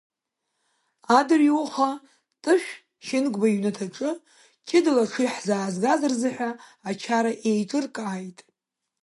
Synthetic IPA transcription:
adɨriwuχa | tʼɨʃᶣ | ʃɪnɡʷʼbaiɥnatʰaʈ͡ʂʼɨ | kʲʰɪdɨlaʂʰɨjħzaːzɡazarzɨħʷᶣaːt͡ʃʰaɾaʔejʈ͡ʂʼɨrkʼaːjtʼ

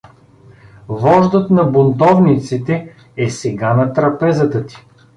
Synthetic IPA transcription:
vɔʒd̪ət̪nɐbʊnt̪ɔvnit̪sit̪ɛ | ɛsɛɡanɐt̪ɾɐpɛzət̪ət̪i̥

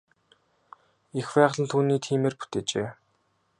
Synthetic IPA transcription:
ixpæːʁɮə̆nt̪ʰuːniːt̪ʰiːmeːrpu̥t̪eːt͡ɕeː

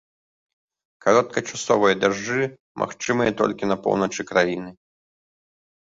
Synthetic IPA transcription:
kaɾɔt̪̚kɐt͡ʂasɔvɐjɐd̪aʐːɨ | mʔa̰xt͡ʂɨmɨjɐt̪ɔ̰lʲkʲinɐpɔ̰wnɐt͡ʂɨkɾajinɨ

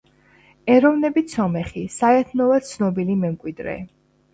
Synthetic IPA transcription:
ɛɾɔvnɛbit̪sʰɔmɛχisaɛt̪ʰnɔvat̪̚t̪sʰnɔbilimɛmkʼwid̪ɾɛ̰

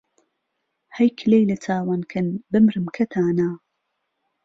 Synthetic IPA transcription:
hɐjkʰlejlɐt͡sʰaːwaːnkʰɐnbɨmɾɨmkʰɐt̪ʰaːnaː

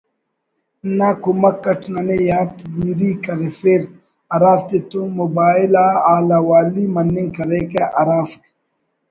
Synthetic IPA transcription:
nakumɐkːɐʈʰnanejaːt̪d̪iːɾikɐɾefeɾ | ɐɾaːft̪et̪umubaːɪlaːaːlaːwaːliːmɐnːiŋɡkɐɾeːkeʔɐɾaːfk

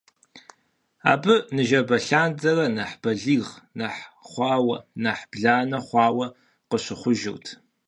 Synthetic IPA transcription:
a̰ːbɨnɨʒɐbɐɬaːnd͡zɐrɐnɐħb̥ɐɮiːʁnɐħχʷɑːwɐ̰nɐħbɮaːnɐχʷɑːwɐ | qəɕɪχʷʊʒɪ̰wtʰ

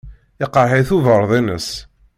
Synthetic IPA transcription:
ɪqːəɾɦeθuvəɾˤðˤinə̰s

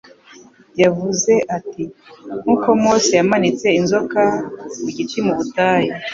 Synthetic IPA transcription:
javuze̞ʔatiŋuːko̞moːsijamanit͡se̞inzo̞kamuɟit͡ʃimuβutaːji

